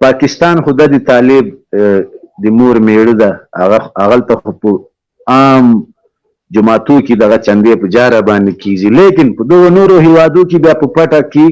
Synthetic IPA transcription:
pɑkɪst̪ɑːnxod̪ad̪ət̪ɑːlɪb̚ | d̪əmoɾmeɽəd̪aa̰ɣaaɣalt̪axopə | ɑːm | d͡ʒʊmɑːt̪oked̪aɣat͡ʃand̪epəd͡ʒɑɾabɑnd̪eked͡ʒilekɪnpəd̪əɣonoɾoɦiwɑd̪okebjɑpəpaʈake

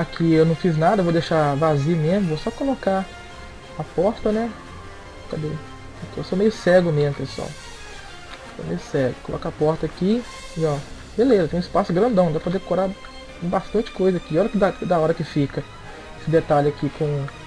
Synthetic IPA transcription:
akʰiewnɐ̃w̃fiznad̪ɐvowd̪eʃavaziʊmezmʊvowsɔkoloka | apɔɾt̪ɐnɛ | kab̪e | akiewsomejʊsɛɡʊmezmʊk̪ɾe̥sɔ̰ | so̰mḛjʊsɛɡʊkolɔ̰kapɔɾt̪ɐaki | iɔ | belezɐt̪ẽj̃ispasʊɡɾɐ̃nd̪ɐ̃w̪̃d̪apod̪ekoɾa | bast̪ɐ̃nt͡ʃɪ̥kojzɐakiɔɾɐkɪd̪ad̪ɐɔɾɐkɪfikɐ | esɪd̪et̪alɪakikõ

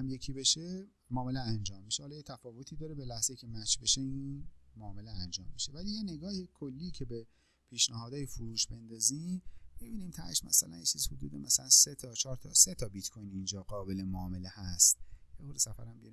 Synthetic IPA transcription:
hæmje̞cʰiːbe̞ʃe̞ | mɒːme̞leænd͡ʒɒːmːiʃehɒːlɒːjet̪ʰæfɒːvo̞t̪ʰiːd̪ɒːɾe̞be̞læhz̥eiːcʲʰe̞mæt͡ʃʰbe̞ʃeiːnmoːme̞leænd͡ʒɒ̰ːmːiʃe̞vælijene̞ɡɒːhikʰolːiːcʰe̞be | pʰiːʃnæhɒːd̪ɒːjefuɾuːʃbe̞nd̪ɒːziːmb̥ebiːnimt̪ʰæ̰ʃmæ̰sælæ̰njet͡ʃʰiːzhod̪ṵːd̪emæsælænset̪ʰɒːt͡ʃʰɒːɾt̪ʰɒse̞t̪ʰɒbit̪kʰojnind͡ʒɒːɡɒːbe̞lemoːme̞le̞hæst̪̚jeboɾesæfæ̰ɾæmbijɾi

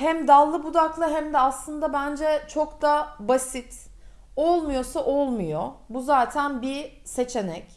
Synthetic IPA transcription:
hæmd̪alˠːɯbud̪aklˠaɦɛmd̪ɛaslˠɯnd̪abænd͡ʒɛt͡ʃʰo̞kd̪abasit̪ | olˠmujo̞saʔolˠmujobuzaːt̪ʰænbi | se̞t͡ʃʰe̞nɛc

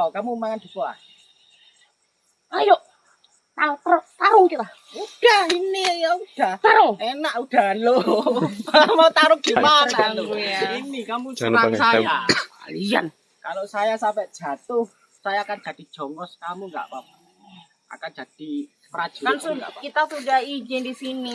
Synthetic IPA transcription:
akamumaŋand̥̪ṳkua̰ | ajoʔ | t̪at̪t̪aɾʊŋkit̪a | ud̥ahinijaud̥aht̪aɾʊŋenaʔud̥alopamaut̪aɾʊŋɡ̥imarainikamusənasajaalija̰n | kalosajasampɛʔd̥ʒ̥a̤t̪ʊh | sajaːkand͡ʒ̥a̤d̥i̤̥ʒ̥ɔŋɔskamuŋɡa̰ʔpap̚ | ʔa̰kand͡ʒ̥ad̥i | pəɾḁd͡ʒ̥ikansʊŋɡa̰ʔakit̪asudahid͡ʒɪndisini

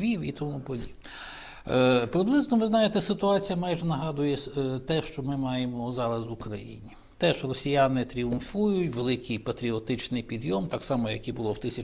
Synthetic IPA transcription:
ʋʲiwit̪ɔmupɔdʲibnɛ | pɾɪblˠɪznɔʋɪznɑjet̪ɛsɪt̪ʊɑt͡sʲijɐmɑjʒɛnɐɦɑd̪ʊjɛt̪ɛʃt͡ʃɔmɪmɑjemɔzɑɾɐzʊkɾɐjḭnʲi | t̪ɛʒrɔsʲijɑnɪt̪ɾʲiʊnfujʊtʲʋelˠɪkɪjpɐt̪ɾʲiɔt̪ɪt͡ʃnɪjpʲid̪jɔmt̪ɑksɑmɔjɐkibʊlˠɔwt̪ɪsʲɐ

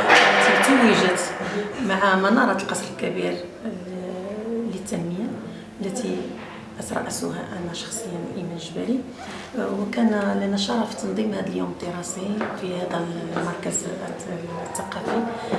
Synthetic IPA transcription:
t̪ət̪æwiʒəd̪maʕamɑnɑɾˤɑt̪əlqɑsɾəlkæbiɾ | lət̪ːænməja | lːæt̪i | ʔət̪ɾˤɑ̰ʔəsṵɦæ̰ʔænæʃɑ̥xsˤəjːanʔimænʒbæɾi | wkænlænːæʃɑɾˤɑfi̥t̪ɑnd̪ˤimhæd̪əljuməd̪iɾˤɑsifihæd̪æmɑɾˤkæz | t̪ːɑqɑfi

